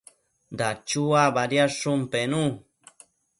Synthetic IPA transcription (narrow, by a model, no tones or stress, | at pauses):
nd̪at͡ʃuabaɾjaʂumpenũ